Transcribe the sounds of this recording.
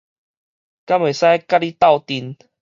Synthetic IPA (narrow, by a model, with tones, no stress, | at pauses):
ka˦˥mwe˨˩sa˦ka˦li˦t̪a˥˧˨wt̪i˧n